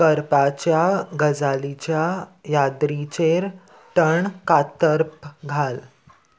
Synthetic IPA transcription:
kəɾpat͡ɕjaɡʱəd͡zalit͡ɕjajad̪ɾit͡ɕeɾ | ʈəɳkat̪əɾpɡʱal

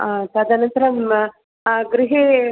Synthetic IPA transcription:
asaːd̪ɐnɐnt̪ɐɾɐm | ɡɾiɦe

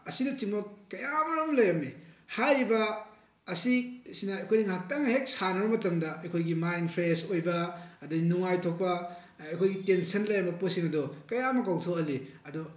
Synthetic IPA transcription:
ɐsidɐt͡ʃiŋmɐkɐjamɐɾɐmlɐjɐmehajɾibɐ | ɐsisinɐɐjkʰojniŋɦak̚taŋɐɦek̚sanɐbɐmɐtɐŋdɐɐjkʰojɡimajnpʰɾesojbɐɐduinuŋajtʰok̚pɐ | ɐjkʰojɡitensɐnlɐjɐmbɐposiŋɐdɔkɐjamɐkawtʰokɐliɐdɔ

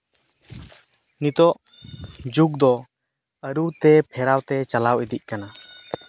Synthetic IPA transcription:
nit̪ɔʔ | d͡ʒuk̚d̪ɔ | əɾut̪ɛpʰɛɾawt̪ɛt͡ʃalawid̪iʔ̚ˀkana

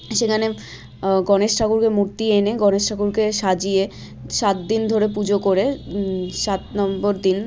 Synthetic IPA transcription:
ʃekʰane | ɡɔneʃʈʰakuɾkemuɾt̪ieneɡɔneʃʈʰakuɾkeʃad͡ʑije | ʃat̪̚d̪ind̪ʱoɾepud͡ʑokoɾe | ʃat̪nɔmboɾd̪in

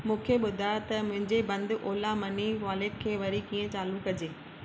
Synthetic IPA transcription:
mũːkʰeɓʊd̪ʱajt̪ɐmʊ̃ɦɪ̃ɲd͡ʑebɐ̃nd̪ʔoːlamɐniʋaːlɪk̪kʰeːʋɐɾikiːə̃t͡ɕaːlukkɐd͡ʑeː

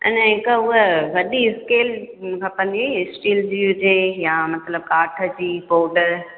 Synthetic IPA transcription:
ɛ̰nɛɦɪkəʊɦəʋɐɗiɪskeːlkʰɐpɐ̃n̆d̪iisʈiːld͡ʑiːɦʊd͡ʑeːjamɐt̪ʰləb̚kaːʈʰə̆d͡ʑiːpoːɖəɾ

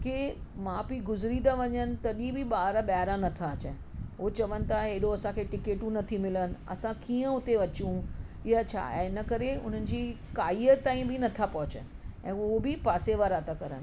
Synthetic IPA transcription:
kemãːbiɡʊzɾid̪aʋɐɲənɪ̆t̪ɐɗĩbiɓaːɾaɓaːɾãnɐt̪ʰaɐt͡ɕə | ot͡ɕɐʋənɪ̆t̪ʰaɦeɗoɐsãkʰeʈɪkeːʈũnɐt̪ʰimɪlənɪ̆ɐ̰sãkiːə̃ʊt̪eʋɐt͡ɕiũɪɦat͡ɕʰã̰ːɪnəkɐɾeʊ̰n̤ənɪ̆d͡ʑiːkaːiət̪ãːĩbɪnɐt̪ʰapɐɦʊt͡ɕə̰nɪ̆ɛ̰̃ːobɪpaːseʋaɾaːt̪akɐɾə̰nɪ̆

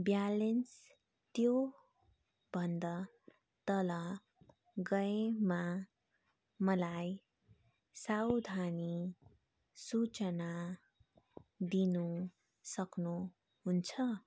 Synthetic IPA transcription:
bjalens | t̪jo | bʱʌnd̪ʌ | t̪ʌlʌ | ɡʌema | mʌlaj | sawd̪ʱani | sut͡sʌna | d̪inu | sʌknu | ɦunt͡sʰʌ

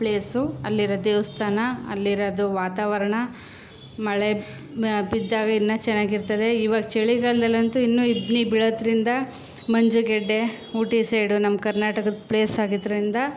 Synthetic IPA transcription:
pɭeːsuɐ̰lːiɾɐd̪eːʋɐst̪ʰaːnɐɐ̰lːiɾɐd̪uʋaːt̪aːʋɐɾɐɳɐ | mɐɭe | bid̪ːaːɡɐinːɐt͡ʃɛnːaːɡiɾt̪ɐd̪e̞iːʋaːɡɐt͡ʃeɭiɡɐld̪ɐlɐnt̪uinːuːibnibiɭod̪ɾind̪ɐ | mɐɲd͡ʒuɡɛɖːe̞ | uːʈisejɽunɐmkɐɾnaːʈɐkɐd̪pɭeːsaːɡid̪ɾɾind̪ɐ

